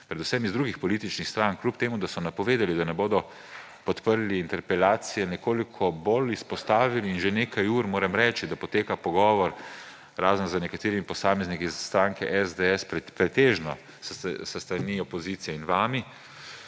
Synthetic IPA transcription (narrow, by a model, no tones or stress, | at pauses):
pɾɛd̪usɛmizd̪ɾuɡixpɔliːt̪it͡ʃnixst̪ɾaŋkluːpt̪eːmud̪asɔnapɔʋeːd̪alid̪anɛboːd̪ɔ | pɔt̪pəɾliːnt̪ɛɾpɛlaːt̪sijɛnɛkoːlikʰɔboːlispɔst̪aːʋiliːnʒeneːkajuːɾmoːɾɛmɾɛːt͡ʃid̪apɔt̪eːkapɔɡɔːʋɔɾ | ɾaːzənzənɛkat̪eːɾimipɔsaːmɛznikizst̪ɾaːŋkɛʔɛzd̪eɛsppɾɛt̪eːʒnɔ | ssəst̪ɾaniɔpɔziːt̪sijɛinʋaːmi